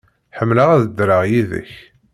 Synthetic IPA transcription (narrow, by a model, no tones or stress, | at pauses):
ħəmːləæðəd̪ɾəʁjiðə̰ç